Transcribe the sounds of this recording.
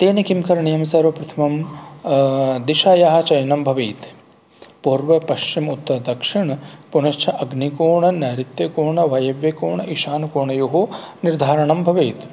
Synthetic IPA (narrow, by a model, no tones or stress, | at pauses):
t̪eːnɐkimkɐɾɐɳijɐmsɐɾʋɐpɾɐt̪ʰɐmɐm | d̪iʃaːjaːɦɐ̆t͡ʃɐjnɐmbʱɐʋeːt̪ | puːɾʋɐpɐʃt͡ʃimut̪ːɐd̪ɐkʂiɳɐpunɐʃt͡ʃʰɐʔɐɡnikoːɳɐnaːɾit̪jɐkoːɳɐʋɐjɐʋjɐkoːɳɐʔiʃaːnukoːɳɐjoɦo | niɾd̪ʱaːɾɐɳɐmbʱɐʋeːt̪